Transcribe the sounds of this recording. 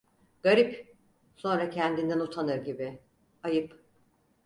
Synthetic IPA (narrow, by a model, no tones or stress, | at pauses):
ɡ̥aɾip | so̞nɾacʰɛnd̪ind̪ænut̪ʰanɯɾɟibɪ | ajɯp